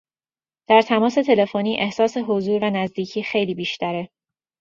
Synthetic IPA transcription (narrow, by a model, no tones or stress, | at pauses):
d̪̥æɾt̪ʰæmɒːse̞t̪ʰe̞le̞foniːʔe̞hsɒːse̞ɦo̞zuːɾvænæzd̪iːcʰiːxe̞jliːbiːʃt̪æɾe